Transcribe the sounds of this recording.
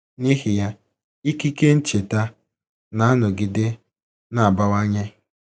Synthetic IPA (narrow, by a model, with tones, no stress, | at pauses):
ni˦ɦi˨ja˦ | i˦ki˦ke˦n̩˦t͡ʃe˨ta˦ | na˨˦a˦nʊ˨ɡɪ˨de˦ | na˨a˨ba˦wa˦ɲe˦